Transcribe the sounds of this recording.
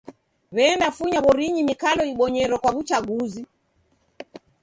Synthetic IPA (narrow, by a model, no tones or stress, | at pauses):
βɛndafuɲaβɔɾiɲimikalɔiɓɔɲɛɾɔkwaβut͡ʃaɠuzi